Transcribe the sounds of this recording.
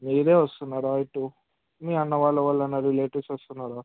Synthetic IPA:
miːɾe̞ːʋɐst̪unːaːɾaiʈːu | miːɐnːɐʋaːɭːɐʋɐɭːɐnːɐɾileːʈisʋɐst̪unːaːɾaː

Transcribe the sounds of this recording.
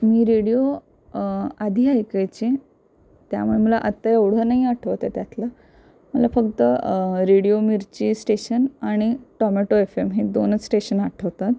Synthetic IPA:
miːɾeɽijo | ad̪ʱiːajkajt͡ɕĩ | t̪ja̰muɭeməla̰ʔət̪ːajeʋɽ̤ənaɦiaʈʰəʋt̪at̪jat̪ʰla | məlafəkt̪əɾeɽijomiɾt͡ɕiːsʈeɕənaɽ̃iʈɔmeʈoefemɦed̪onət͡ssʈeɕənaʈʰəʋt̪at̪

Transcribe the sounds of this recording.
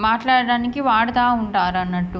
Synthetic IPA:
maːʈlaːɽɐɽaːnikiʋaːɽɐd̪aːuɳʈaːɾɐnːɐʈːu

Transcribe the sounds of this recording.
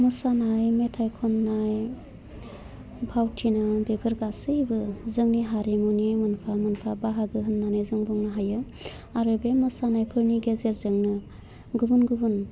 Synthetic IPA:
mɯsanajmetʰajkʰɔnnaj | bʱawtʰinabepʰɯɾɡasɯjbɯzɯŋniɦaɾemuniajmɯnpʰamɯnpʰabaɦaɡɯɦɯnːanɯjzɯŋbɔŋnaɦajɯ | aɾɯbemɯsanajpʰɯɾniɡezeɾzɯŋnɯ | ɡubunɡubun

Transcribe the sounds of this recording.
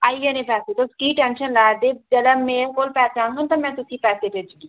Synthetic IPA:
aːieːnẽːpɛːseːt̪oʊskiːʈɛ̃ːnʃənlaːd̪eːd͡ʒɛːlɛːmɛ̃ːkoːlpɛːseãːnɡʊnt̪ãmɛ̃ːt̪ʊsĩːpɛːseːp̪ɪd͡ʒɡiː

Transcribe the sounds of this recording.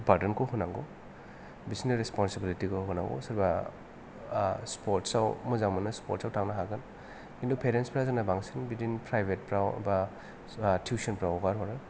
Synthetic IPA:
paɾdənkʰɔhunaŋɡɔ | bisineɾespɔnsebilitikʰoɦuna̰ŋɡɔ̰sɯɾba | spɔɾtsawmɔzaŋmɐnɯspɔ̰ɾt̚sawtʰaŋnaɦaɡɯn | kindupʰeɾenspɾazanabaŋsinbitinpɾajbet̚pɾaw̰ba | tʰjusɔnpɾawɡaɾɦɔɾɯ

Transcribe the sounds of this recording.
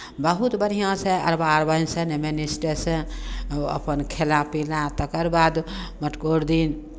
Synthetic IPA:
bəɦut̪bəɽ̤ijãsə̃ɐ̰ɾbaːɾbə̃ĩnsənemenisʈəsə̃ | ə̰pənkʰelãpilãt̪əkəɾbaːd̪məʈkoɽd̪in

